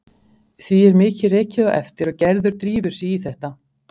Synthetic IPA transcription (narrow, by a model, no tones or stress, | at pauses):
θiɛɾmɪːcɪrɛːcɪðaʔɛ̰ft̪ɪɾɔcɛɾðʏɾ̥t̪ɾiːvʏɾ̥siiθɛht̪a